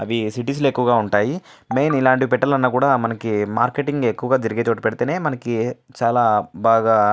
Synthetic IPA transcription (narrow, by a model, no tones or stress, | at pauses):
ɐʋisiʈ̬iːs̬luekːuʋɐɡaːuɳʈaːji | mejnilaːɳʈipɛʈːɐlɐnːɐkuːɽaːmɐnɐkimaːɾkeʈiŋɡekːuʋɐɡaːd͡ʒ̪ɐɾiɡeːt͡ʃoːʈipɛɽit̪eːne̞ːmɐnɐkit͡ʃaːlaːbaːɡaː